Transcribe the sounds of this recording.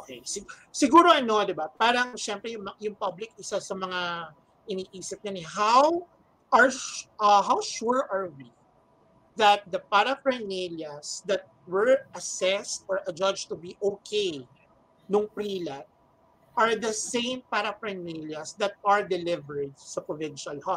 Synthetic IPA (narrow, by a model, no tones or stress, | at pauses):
ʔokḛjsɪsɪɡuːɾoɐno̞d̪ɪbapaːɾɐŋʃɛmpɾɛjʊŋmɐjʊŋpɐblɪk̚ʔɪsasɐmɐŋa | ʔɪniːʔiːsɪp̚ɲɐnɛɦaw | ʔɐɹʔɐɦawʃuɹʔɐɹwi | ðɐt̪̚d̪ɐpaɾɐfɹɐjniljɐsd̪ɐt̪̚wɛɹʔɐsɛst̪ɔɹʔɐd͡ʒɐd͡ʒt̪ʊbiʔokʰej | nʊŋpɾiːlat̪̚ | ʔɐɹd̪ɐsẽɪ̃mpaɾɐfɾɐjniljɐsd̪ɐt̪̚ʔɐɹd̪ɛlɪvɛɹd̪̚sɐpɹovɪ̃nʃʊɐlhɔ